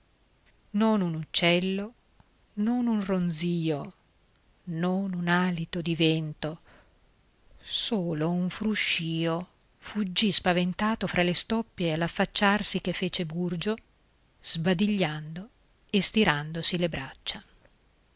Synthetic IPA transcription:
nonunut͡ʃːɛlːo | nonunrond̪ziːo | nonunaːlit̪od̪ivɛnt̪o | soːlouɱfɾuʃːiːo | fud͡ʒːispavent̪aːt̪ofɾʔalest̪ɔpːjealafːat͡ʃːarsik̟efːeːt͡ʃeburd͡ʒo | z̥bad̪iʎːand̪o | est̪iɾand̪osilebɾat͡ʃːa

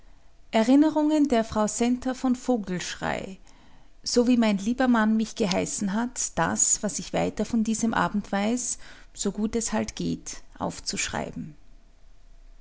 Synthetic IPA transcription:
ʔɛɐʁɪnəʁʊŋəndeːɐfʁ̥aʊsɛntɐfɔnfoːɡl̩ʃʁ̥a̰ɪ | z̥oːviːmaɪnliːbɐmanmɪçɡ̥əɦaɪsn̩ɦatd̥a̰sv̥asɪçv̥aɪtɐfɔndiːzəmʔa̰ːbm̩tv̥aɪsz̥oɡuːtɛshaltɡ̥ḛːtʔa̰ʊft͡suʃʁ̥a̰ɪbm̩

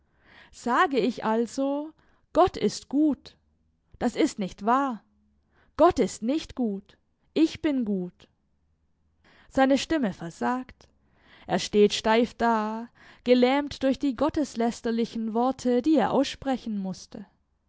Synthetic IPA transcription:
z̥aːɡəɪçʔalzo | ɡ̥ɔtʰɪ̰stɡ̥uːt | d̥asɪstnɪçtv̥aːɐ | ɡ̥ɔtɪstnɪçtɡ̥uːt | ʔɪçb̥ɪnɡuːt | z̥aɪnəʃtɪməfɛɐzaːkt | ʔeːɐʃteːtʃtaɪfd̥aː | ɡ̥əlɛːmtd̥ʊɐçd̥iːɡɔtəslɛstɐlɪçn̩vɔɐtʰədiːeːɐʔa̰ʊsʃpʁ̥ɛçn̩mʊstʰə

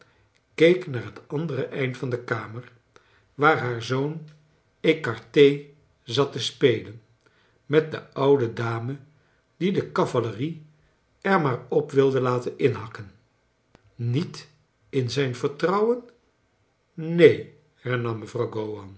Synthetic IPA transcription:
kejknaːɹɦətɑndərəʔɛjntfɑndəkaːməɹ | ʋaːɹɦaːɹzown | ejkɑɹtej | zɑtəspejlən | mɛt̚də̰ʌwdədaːmə | d̥idəkɑvaləri | ɛɹmaːɹɔpʋɪlˠdəlaːtənɪnɦɑkən | it | ɪnzɛjnvəɹtrɑwən | nej | hɛɹnɑmːəvrɑwɡowɑn

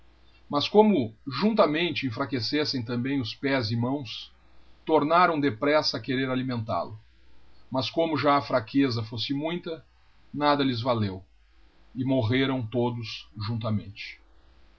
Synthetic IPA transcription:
mɐskõmʊʒũnt̪ɐmẽnt͡ʃɪẽfɾakesesẽj̃t̪ɐ̃mbẽj̃ʊspɛzɪmɐ̃w̃s | t̪oɾnaɾɐ̃w̃d̪epɾɛsɐɐkeɾeɾalimẽnt̪a̰lʊ | mɐskõmʊʒaɐfɾakʰezɐfosɪmũj̃t̪ɐ | nad̪ɐlɪzvalew | ɪmoɦeɾɐ̃w̃t̪od̪ʊsʒũnt̪ɐmḛ̃nt͡ʃɪ̥

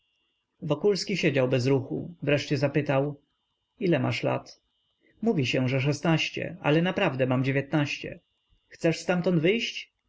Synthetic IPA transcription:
vɔkulskʲiɕed͡ʑawbɛzɾuxṵvɾɛʂt͡ɕɛzapɘt̪aw | ilɛma̰ʂla̰t̪ | muvʲiɕɛ̃ʐɛʂ̬ɛst̪naɕt͡ɕɛ̰a̰lɛnapɾavd̪ɛmamd͡ʑevʲjɛt̪naɕt͡ɕɛ̰ | xt̪sɛʂst̪amt̪ɔnd̪vɘjɕt͡ɕ

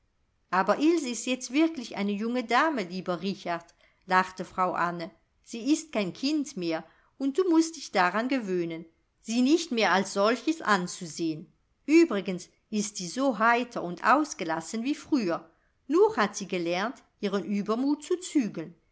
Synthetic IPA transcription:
ʔaːbɐʔɪlzɪstjɛt͡stv̥ɪɐklɪçʔa̰ɪnəjʊŋədaːməliːbɐʁɪçaɐt | laχtəfʁ̥aʊʔanə | z̥iːɪst̚kʰaɪnkʰɪntmeːɐ | ʊnt̚d̥uːmʊst̚d̥ɪçd̥aʁanɡəvøːnən | z̥iːnɪçtmeːɐalsz̥ɔlçəsʔa̰nt͡suzeːən | ʔyːbʁɪɡəns | ɪstz̥iːzoɦaɪtʰɐʊntʔa̰ʊsɡ̥əlasənviːfʁ̥yːɐ | nuːχhatz̥iːɡəlɛɐnt | ʔiːʁənʔyːbɐmuːtt͡sut͡syːɡln

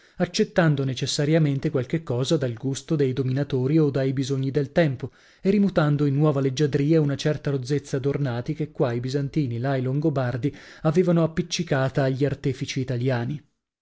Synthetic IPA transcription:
at͡ʃːet̪ːand̪onet͡ʃesːaɾjament̪ekwalk̟ekːɔːzad̪alɡust̪od̪ejd̪ominat̪oːɾiod̪ːajbizoɲːid̪elt̪ɛmpo | erimut̪and̪oinːwɔːvaled͡ʒːad̪ɾiːaunat͡ʃɛrt̪aɾod̪zːet̪sːad̪ornaːt̪ikekːwaibizant̪iːnilailoŋɡobard̪iaveːvanoapːit͡ʃːikaːt̪aːʎːiart̪ɛːfit͡ʃiːt̪aljaːni

